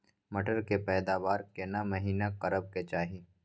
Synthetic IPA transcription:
mɐʈəɾkepɛːd̪aːʋaːɾkenamɐɦiːnaqɐɾəb̚ket͡ʃaːɦiː

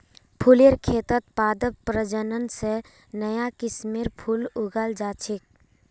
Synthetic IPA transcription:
pʰuleɾkʰeːt̪ət̪̚paːd̪əbpɾəd͡ʒənənse | nəjakɪsmeɾpʰuluɡald͡ʒaːt͡ʃʰik̚

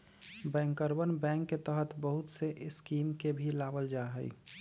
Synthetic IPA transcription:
bɛ̃ːŋkəɾbənbɛ̃ːŋkːet̪əɦət̪bəɦut̪seʔɪskiːmkebʱilaːbəld͡ʒaɦə̰ḭ

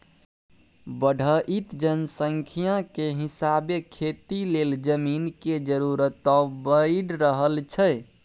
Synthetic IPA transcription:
bəɖʱəʔit̪d͡ʒənsəŋkʰijãkeɦisabekʰet̪ileld͡ʒəminked͡ʒəɾuɾət̪ɔbəiɖɾəɦəlt͡ʃʰə

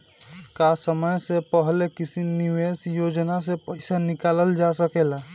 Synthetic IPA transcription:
kasəməjsepəɦlekisiniʋesjod͡ʒnas̬epəɪsanikaləld͡ʒasəkela

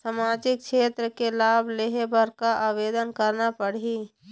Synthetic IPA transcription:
samaːd͡ʒɪk̚kʃʰeːt̪ɾəkelaːbʱleɦebəɾkaʔaːʋeːd̪ənkəɾnapəɽ̤i

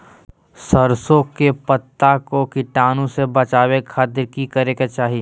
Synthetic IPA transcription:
sɐɾsõkepət̪ːakokɪʈaːnõsebɐt͡ʃaːwekʰaːt̪ɪɾkikɐɾeket͡ʃaːɦi

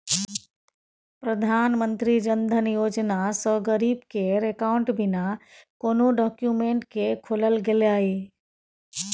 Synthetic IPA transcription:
pɾəd̪ʱaːnmənt̪ɾid͡ʒənd̪ʱənjoːd͡ʒnasəɡəɾiːbkeɾekaʊɳʈbɪnakoːnoɖɔːkjumẽɳʈkekʰoləlɡeleaːi

